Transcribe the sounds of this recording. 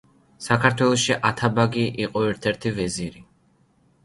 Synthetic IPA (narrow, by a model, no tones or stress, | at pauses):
sakʰaɾt̪ʰwɛlˠɔʃiʔat̪ʰabaɡiʔiqʼɔɛɾt̪ʰɛɾt̪ʰivɛziɾi